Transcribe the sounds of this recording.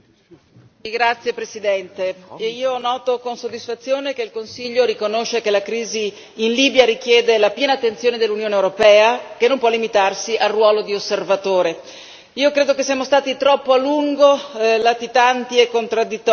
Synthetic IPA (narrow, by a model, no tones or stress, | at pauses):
ɡɾat̪sːjepɾesid̪ɛnt̪eiːonɔːt̪okonsod̪ːisfat̪sːjoːnek̟eilkonsiʎːoɾikonoʃːekelakɾiːziː | nliːbjaɾikjɛːd̪elapjɛːnaːt̪ːent̪sjoːned̪elːunjoːneːwɾopɛːakenːompwɔlːimit̪arsiʔarːwɔːlod̪iosːervat̪oːɾe | iːokɾeːd̪okesːiamost̪aːt̪it̪ɾɔpːoaluŋɡolat̪it̪ant̪iekːont̪ɾad̪ːit̪ːɔ